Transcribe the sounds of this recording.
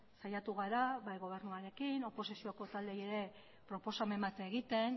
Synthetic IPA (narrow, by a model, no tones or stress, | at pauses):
sajat̪uɣaɾaβajɣo̞β̞e̞ɾnuaɾe̞kino̞po̞sisioko̞t̪ald̪eje̞ɾe̞ | pɾo̞po̞same̞mbat̪eɣ̞it̪e̞n